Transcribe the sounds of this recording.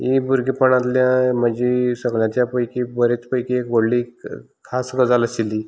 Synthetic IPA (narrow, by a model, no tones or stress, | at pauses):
ɦibʱuɾɡipəɳat̪ljãm̤əd͡ʑisəɡɭjãt͡ɕjapəjkibəɾet͡spəjkiekboɽli | kʰasɡəd͡zaləsilːi